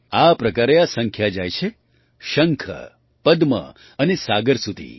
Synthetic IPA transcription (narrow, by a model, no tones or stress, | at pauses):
apɾəkaɾeasə̃ŋkʰjad͡ʒajt͡ʃʰe | ʃəŋkʰə̰ | pəd̪mə̰ | ənesaɡəɾsud̪ʱḭ